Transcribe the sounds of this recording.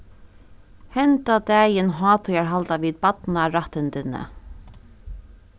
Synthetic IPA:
hɛnt̪ad̪ɛːjɪnɦɑːt̪ʰʊjaɹɦalt̪aʋiːð̚pat̪naɾaht̪ɪnt̪ɪnə̰

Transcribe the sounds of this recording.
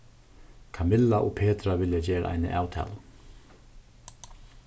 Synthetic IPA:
kʰamɪlːaʔɔɣpʰeːt̪ɾavɪljad͡ʑɛːɾa̰ʔa̰jnə̰ʔaːwt̪ʰɛ̰ːl

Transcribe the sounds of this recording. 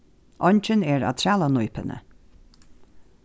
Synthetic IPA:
ʔɔnʲt͡ʃənɛːɹa̰t̪ʰɾaːlanujpə̰nə̰

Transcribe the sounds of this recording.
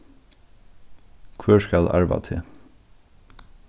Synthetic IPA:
kʰʋøːʃkɑlʔæ̰ɹʋɑ̰t̪ʰɪ

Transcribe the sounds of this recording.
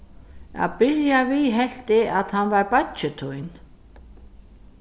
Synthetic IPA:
a̰ðpɪɾjaviɦɛl̥t̪ɪaðhanvaɾpat̪t͡ʃʏt̪ʰujn

